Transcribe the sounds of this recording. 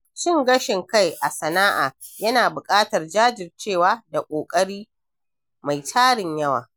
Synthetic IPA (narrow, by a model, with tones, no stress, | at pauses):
ʃɪ˦˨ŋɡɐ˦ʃɪ˨ŋka˦˨jʔa˨sɐ˨naː˦ʔaː˨ | jɐ˦naː˨bʊ˨kʼaː˦tɐ˨rd͡ʒaː˦d͡ʒɪ˨rt͡ʃeː˦˨waː˨da˨kʷʼoː˨kʼɐ˦ɽiː˦ | ma˨jtʰaː˦ɽɪ˨ɲjɐ˦wa̰ː˨